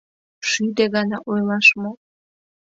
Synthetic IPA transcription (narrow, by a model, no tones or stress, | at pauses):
ʃyd̪eɣɑnɑʔojlˠɑʃmo